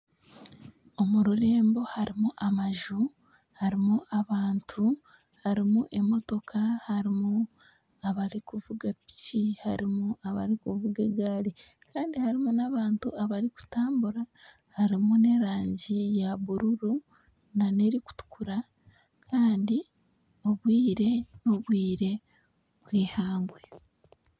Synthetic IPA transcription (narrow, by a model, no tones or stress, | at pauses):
o̞muɾuɾe̞ːmbo̞haɾimuʔamaʒu | haɾimuʔaβaːntʰu | haɾimuʔe̞mo̞to̞kʰahaɾimu | aβaɾikuvuɡapi̥cihaɾimuaβa̰ɾikuvuɡeɡaːli | kʰaːndihaɾimunaβaːntṵaβaɾiku̥taːmbuɾa | haɾimune̞ɾaːɲɟijaβuɾuɾu | nane̞ɾiku̥tu̥kʰuɾa | kʰaːndi | o̞βwiːɾe̞noβwiːɾe̞ | βwiːhaːŋɡwe